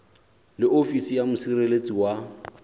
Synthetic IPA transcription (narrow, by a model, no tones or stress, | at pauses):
lɪofisijamʊsirelet͡sʼiwa